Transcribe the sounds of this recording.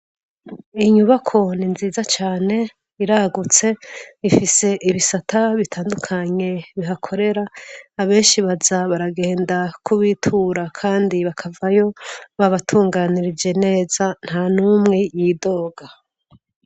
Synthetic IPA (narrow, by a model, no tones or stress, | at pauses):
iɲuβakʰo̞ninziːzat͡ʃaːne̞ | iɾaɡut͡se̞ifise̞ʔiβisatʰaβitʰaːndukʰaɲe̞βiɦakʰo̞ɾe̞ɾaːβe̞ːnʃiβazaβaɾaɡe̞ːndakuβiːtʰuɾakʰaːndiβakʰavajo̞βaβatʰuːŋɡaːniɾid͡ʒe̞ne̞ːzan̥hanumŋe̞jido̞ːɡa